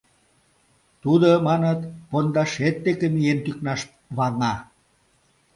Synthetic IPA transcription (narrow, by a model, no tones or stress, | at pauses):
t̪ud̪omɑnət̪pond̪ɑʃet̪̚ːekemijent̪yknɑʃ | βɑrnɑ